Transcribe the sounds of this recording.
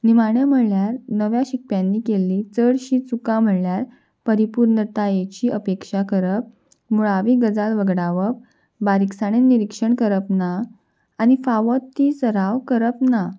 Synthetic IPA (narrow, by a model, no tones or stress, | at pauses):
nimaɳjam̤əɽljaɾnəʋjaɕikpjãnːiːkelːiːt͡səɽɕiːt͡sukam̤əɭljaɾ | pəɾipuɾnət̪ajet͡ɕiːəpekʂakəɾəp̚ | muɭaʋiːɡəd͡zalʋəɡɽaʋəp̚ | baɾiksaɽ̃eniɾikʂəɳkəɾəpnaː | ñifaʋɔt̪ːisəɾaʋkəɾəpna